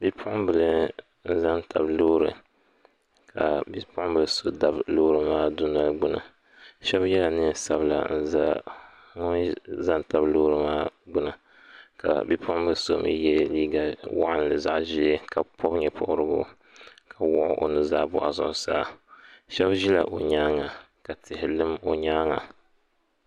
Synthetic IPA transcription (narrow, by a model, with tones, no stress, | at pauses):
bi˦pʰʊ˦ʔʊ˦m˦bɨ˨lɨ˨ | n̩˦za˦nta˨bloː˦ɾɨ˨ | kʰa˨bi˦pʊ˦ʔʊ˦bɨ˨lɨ˦so˦da˨bloː˦ɾɨ˨maː˦du˦na˦lɡ͡bʊ˦nɨ̰˨ | ʃɛ˦bjɛ˦la˨nɨ˦sa˦bla̰˨n̩˦za˦ | ŋɔ˦nza˦nta˨bloː˦ɾɨ˨maː˦ɡ͡bʊ˦nɨ˨ | ka̰˨bi˦pʰʊ˦ʊ˦mbɨ˦so̰˦m̰˦jɛ˦liː˦ɡa˨wa̰˦ʔa˦n˦lɨ˨za˦˨ʔʒi˦ɛ˦ka˨pʰɔ˦bɲɛ˨pʊ̰˦˨ʔʊ˦ɾɨ˦ɡʊ̰˦ | kʰa˨wʊ˦ʔʊ̰˦ʔo̰˨nɨ˦zaː˦bʊ̰˦ʔa˨zʊ̰˨ʔʊ˨sa̰ː˦ʃɛ˦bʒi˦la̰˨ʔo˨ɲaː˦ŋa˨ | ka˨tɪ˨hɪ˨lɨ˦mo˨ɲaː˦ŋa˨